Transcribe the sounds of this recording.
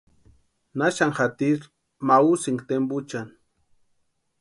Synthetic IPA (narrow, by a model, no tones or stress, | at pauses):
naʃaŋxat̪iɾ | mausɪŋkt̪embʊt͡ʃan